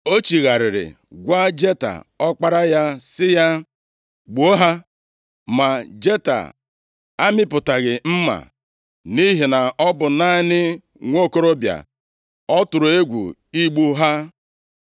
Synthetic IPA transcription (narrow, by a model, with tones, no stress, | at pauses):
o˦t͡ʃi˨ɣa˨ɾɪ˨ɾɪ̰˨ | ɡʷa˦d͡ʒe˦ta̰˨ɔ˦k͡pa˦ɾa˦ja˦sɪ˦ja˦ | ɡ͡bo˦ɦa˦ | ma˨d͡ʒe˦ta̰˨ | a˦mɪ˦pʊ˨ta˨ɣɪ˨m̩˦ma̰˨ | ni˦ɦi˨na˨ɔ˦bʊ˨naː˦nɪ˦ | ŋʷo˦ko˦ɾo˦bja̰˨ | ɔ˦tʊ˨ɾʊ˨e˦ɡʷṵ˨i˦ɡ͡bu˦ɦa˦